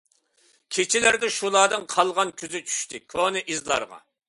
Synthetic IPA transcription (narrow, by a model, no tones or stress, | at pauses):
kʲʰet͡ʃʰɪlæɾd̪ɛʃulˠɑːd̪ɨŋqʰɑlˠʁɑnkʲʰyzɪt͡ʃʰy̥ʃt̪ʰɪkʰonɨʔizlˠɑ̰ɾʁɑ̰